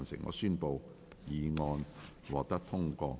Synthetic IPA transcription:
nsɪ˨˩ŋʔɔ̰ː˨˧syː˥npo˨w | jiː˨˧ŋɔː˧n | wɔː˨k̚t̪ɐ˥k̚t̪ʰʊ˥ŋkɔː˧

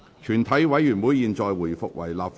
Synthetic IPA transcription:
t͡ʃʰyː˨˩nt̪ʰɐ˨˥jwɐ˨˥jːyː˨˩nwuː˨˥jiː˨nt͡sɔː˨jwuː˨˩jfʊ̰˨k̚wɐ̰˨˩jlaː˨p̚f

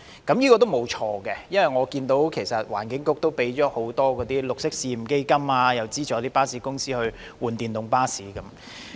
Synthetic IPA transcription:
kɐ˨˥mjiː˥kɔː˧t̪o˥wmo˨˧wt͡ʃʰɔː˧kɛ˧jɐ˥nwɐ˨˩jŋɔː˨˧kiː˧nt̪o˨˥wkʰe˨˩jsɐ˨t̚waː˨˩nkɪ˨˥ŋkʊ˥k̚t̪o˥wpe˨˥jt͡ʃɔː˨˥ho˨˥wt̪ɔː˥kɔː˨˧t̪iː˥lʊ˨k̚sɪ˥k̚siː˧m̩˨˩ke˥jkɐ˥maː˧jɐ˨wt͡siː˥t͡ʃɔː˨˧˥t̪iː˥paː˥siː˨˥kʊ˥ŋsiː˥hɵ˧ɥ | wuː˨˩nt̪iː˨˩nt̪ʊ˨˧ŋpaː˥siː˨˥kɐ˨˦m

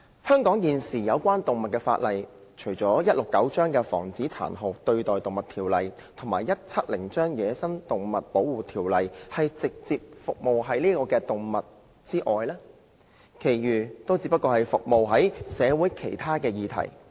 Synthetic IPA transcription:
hœː˥ŋkɔː˨˥ŋjiː˨nsiː˨˩jɐ˨˧wkʷaː˥nt̪ʊ˨ŋmɐ˨t̚kɛː˧fa̰ː˧t̚lɐ˨j | t͡ʃʰɵ˨˩ɥt͡sɔː˨˥jɐ˥t̚lʊ˨kːɐ˨˥wt͡ʃœː˥ŋkɛː˧fɔ̰ː˨˩ŋt͡siː˨˥t͡sʰa̰ː˨˩nɦʊ˨˩wt̪ɵ˧ɥt̪ɔː˨jt̪ʊ˨ŋmɐ˨t̪ʰiː˨˩wlɐ˨j | t̪ʰʊ˨˩ŋmaː˨˩jɐ˥t̚t͡sʰɐ˥t̚lɪ˨˩ŋt͡ʃœː˥ŋjɛː˨˥sɐ˥nt̪ʊ˨˩ŋmɐ˨t̚po˨˥wuː˨t̪ʰiː˨˩wlɐ˨jhɐ˨jt͡sɪ˨k̚t͡siː˧p̚fʊ˨k̚mo˨wɦɐ˨˥jliː˥kɔː˧kɛː˧t̪ʊ˨ŋmɐ˨t̚ | t͡siː˥ʔɔː˨jlɛː˥ | kʰe˨˩jɥyː˨˩t̪o˥wt͡siː˧˥pːɐ˥t̚kːɔː˧hɐ˨jfʊ˨k̚mo˨wɦɐ˨˥jsɛː˨˧wuː˨˥jkʰe˨˩jt̪ʰaː˥kɛː˧jiː˨˧t̪ʰɐ̰˨˩j

